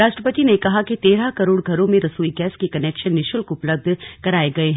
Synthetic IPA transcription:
ɾaːʃʈɾəpət̪inekɐɦakit̪eːɾakɐɾoːɽɡʱɐɾõmẽɾɐsuːiɡɛːskikɐnɛːkʃənːɪʃʊlkʊpləb̚d̪ʱkɐɾaːeɡɐeɦ

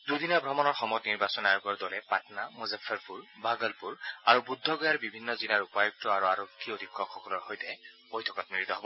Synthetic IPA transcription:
dudinabʱɹɔmɔnɔɹxɔmɔjɔtniɹbasɔnajɔkɔɹdɔlɛpatnamuzafʰɛɹpuɹbaɡɔlpuɹaɹubudʱːɔɡɔjaɹbibʱinːɔzilaɹupajuk̚tɔaɹuaɹokʰːiodʱikʰːɔkxɔkɔlɔɹxojtɛbojtʰɔkɔtmiɹit̪ɔɦobɔ

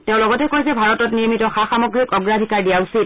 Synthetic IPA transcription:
teʊ̃lɔɡɔtɛkojsɛbʱaɹɔtɔtniɹmitɔxaxamɔɡɹikɔɡɹadʱikaɹdijausit̚

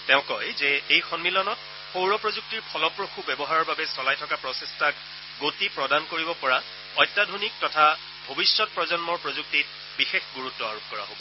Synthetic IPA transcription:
tɛʊ̃kɔjzɛejxɔnmilɔnɔt̚ | powɹɔpɹozuk̚tiɹpʰɔlɔpɹoxubɛbɔɦaɹɔɹbabɛsɔlajtʰɔkapɹɔsestʰak | ɡotipɹɔdankoɹibɔpɔɹa | ɔjtːadʱonik̚tɔtʰa | bʱobisːɔt̚pɹɔzɔnmɔɹpɹozuk̚tit̚ | bixexɡuɹutːɔa̰ɹop̚kɔɹa̰ɦobɔ

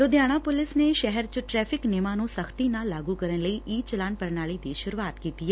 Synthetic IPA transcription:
ɾod̪jaːɽ̃ãːpʊlɪsneːʃɛɦɛɾt͡ʃʈɾɛːpʰɪknɪmãːnũːsəkʰt̪inaːlːaːɡuːkəɾənləiːʔiːt͡ʃəlaːnpəɾnaːɭiːt̪eːʃʊɾuaːt̪kiːt̪iɛː

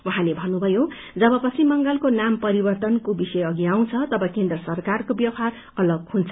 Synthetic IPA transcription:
wuɦãlebʱʌnːubʱʌjo | d͡zʌbʌpʌt͡sʰimʌŋɡʌlkonampʌɾibʌrt̪ʌnkobisʌjʌɡiaw̃t͡sʰʌt̪ʌbʌkend̪rʌsʌrkarkobjʌwɦar | ʌlʌɡhunt͡sʰʌ

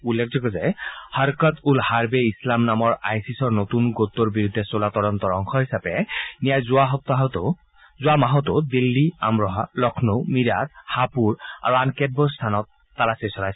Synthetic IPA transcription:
ulːɛkʰzɔɡɔzɛhaɹkɔt̪ʰulhaɹbeislamnamɔɹajsisɔɹnot̪unɡot̪ːɔɹbiɹud̪ʱːɛsolat̪ɔɹɔnt̪ɔɹɔŋkʰɔɦisapɛnijajzʊaɦɔt̪ɔɦt̪ | zʊamaɦɔt̪ɔd̪ilːia̰mɹɔɦalɔkʰnomiɹat̪hapuɹa̰ɹuankɛd̚bɔst̪ʰanɔt̪ːalasesɔɹaj

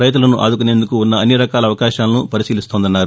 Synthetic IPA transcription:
ɾɐjt̪̬ulɐnuʔa̰ːd̪ukune̞ːnd̪ukuunːɐːnːiɾɐkaːlɐʋɐkaːʃaːlɐnupɐɾisiːlist̪o̞ːnd̪ɐnːaːɾu

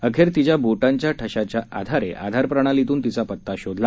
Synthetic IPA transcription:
əkʰeɾt̪it͡ɕjaboʈaɲt͡ɕjaʈʰəɕat͡ɕjaa̰d̪ʱaɾḛʔa̰d̪ʱaɾpɾəɽ̃alit̪uːnt̪it͡sapət̪ːaɕod̪ʱla

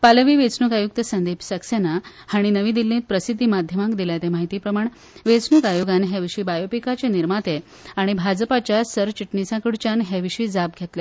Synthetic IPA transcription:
paləʋiːʋet͡snukajuk̚t̪əsənd̪ipsəksena | haɽ̃inəʋiːd̪ilːẽt̪̚pɾəsid̪ʱːimad̪ʱjəmakd̪iljat̪emaɦit̪iːpɾəmaɳ | ʋet͡snukajoɡanɦɛʋiʂiːbajopikat͡ɕeniɾmat̪e | aɽ̃ibʱad͡zəpat͡ɕjasəɾʋt͡ɕiʈnisãkiɽt͡ɕanɦeʋiʂiːd͡zap̚ɡʱet̪le

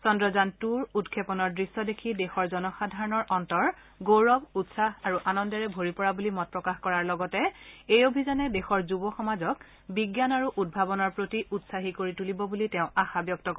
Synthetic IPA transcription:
sɔndɹɔzantuɹutkʰepɔnɔɹdɹisːɔdekʰidexɔɹzɔnɔxadʱaɹɔnɔɹʔɔntɔɹ | ɡoɹɔbutsaɦaɹuʔanɔndɔɹɛbʱoɹipɔɹabulimɔt̚pɹɔkaxkɔɹaɹlɔɡɔtɛejobʱizanɛdexɔɹzubɔxɔmazɔk̚ | biɡjanaɹuʔud̚bʱabɔnɔɹpɹotiʔutsaɦikoɹitulibɔbuliteʊ̃axabjɔk̚tɔk

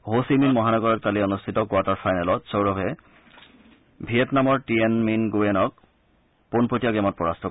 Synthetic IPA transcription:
ɦosiminmɔɦanɔɡɔɹɔt̚kaliɔnustʰitɔkwaɹtaɹfʰajnalɔtsowɹɔbʱɛ | bʱiɛtnamɔɹtienminɡuɛnɔk̚ | ponpotiaɡɛmɔt̚pɔɹastʰɔ

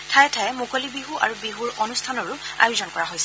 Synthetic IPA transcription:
tʰajɛtʰajɛmukolibiɦuʔa̰ɹubiɦuɹɔnustʰanɔɹʊa̰jʊzɔnkɔɹaɦojsɛ

